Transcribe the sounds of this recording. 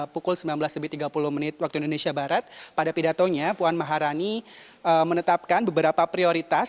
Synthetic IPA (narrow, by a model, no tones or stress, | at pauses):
pukʊlsəmilanbəlasləbɪht̪iɡapulʊhmənɪt̪̚wak̚t̪uindonesiabaɾat̪̚padapidat̪oɲapuanmaɦaɾani | əmənət̪ap̚kanbəbəɾapapɾioɾit̪as